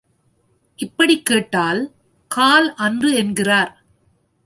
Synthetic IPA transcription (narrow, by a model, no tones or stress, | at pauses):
ɪpːɐɽikːeːʈːaːl | kaːlɐndrɯɛnɡɪraːɾ